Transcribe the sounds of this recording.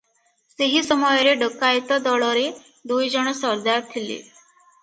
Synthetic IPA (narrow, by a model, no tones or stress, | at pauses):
seɦisəmɔjɾeɖəkajt̪ɔd̪ɔɭɔɾe | d̪ujd͡ʒɔɽ̃ɔsəɾd̪aɾt̪ʰilḛ